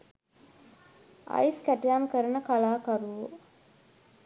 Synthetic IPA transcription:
a̰jskæʈijaːmkəɾənəkalaːkaɾuʋo

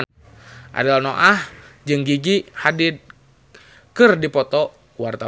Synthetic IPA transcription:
ʔa̰dalnoʔahd͡ʒɨŋɡiɡihadid̪̚ | kɨrdipɔt̪ɔ | wart̪a

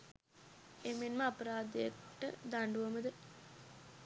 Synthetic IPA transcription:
emenməapɐɾaːd̪əjəʈːə̰d̪aɳɖuʋəməd̪ə

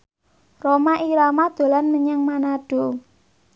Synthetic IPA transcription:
romaʔiɾamad̪̥o̤lanməɲaŋmanaɖ̥o̤

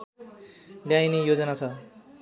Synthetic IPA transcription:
ljajnijod͡zʌnat͡sʰʌ

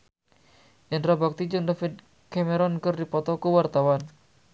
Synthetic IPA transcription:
janrabak̚t̪id͡ʒʊŋdafɪd̪̚ | kameɾɔnkərdipɔt̪ɔkuwart̪awan

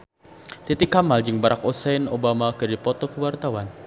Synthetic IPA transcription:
t̪it̪ɪkːamald͡ʒɨŋbaɾʔakosɛnobamakɨdipɔt̪ɔkəwart̪awan

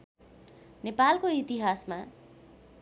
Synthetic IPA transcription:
nepalkoit̪iɦasma

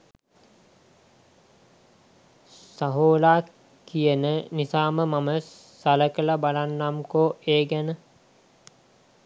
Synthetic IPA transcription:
saɦoːlaː | kijənənisaːməmamə | saləkəlabalanːamkoeːɡænə

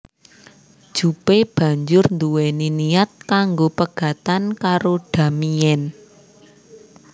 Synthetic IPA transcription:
d̥ʒ̥ṳpeb̥ä̤ɲd͡ʒʊrnd̪uwɛninijat̪̚kaŋɡopəɡ̥ä̤t̪ankaɾoɖ̥ä̤mijɛn

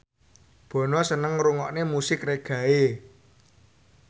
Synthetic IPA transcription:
b̥ɔ̤nɔsənəŋɾuŋɔʔnemusɪkreɡ̥ä̤e

